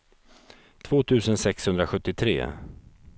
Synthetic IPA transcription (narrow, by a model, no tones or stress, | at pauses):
t̪ʰv̥oːt̪ʰʉ̟ːsənsɛkshɵnd̪ɾaɧɵt̪ːɪt̪ʰɾḛː